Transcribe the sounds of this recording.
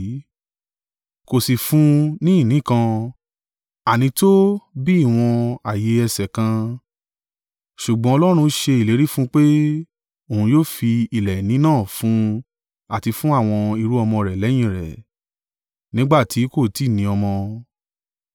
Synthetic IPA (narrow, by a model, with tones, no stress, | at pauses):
ko˨si˨fũ˦nĩ˦˨nĩ˨˦kã˧ | a˨nĩ˧to˦bi˦i˦˨w̃ɔ̃˧a˨je˨˦ɛ˧sɛ˨kã˧ | ʃu˨ɡ͡bɔ̃˦ɔ˧lɔ˦ɾ̃ũ˧˦ʃe˧i˨le˨˦ɾi˦fũ˦k͡pe˦ | o˨ũ˧joː˦fi˧i˨lɛ˨nĩ˨˦nãː˦˨fũ˨˦ | a˨ti˧fũ˦a˦˨w̃ɔ̃˧i˧ɾu˦ɔ˧mɔ̃˧ɾɛ˨lɛ˨˦j̃ĩ˦˨ɾɛ̰˨ | nĩ˦ɡ͡ba˦˨tʰi˨˦ko˦˨ti˦˨nĩ˧ɔ˧mɔ̃˧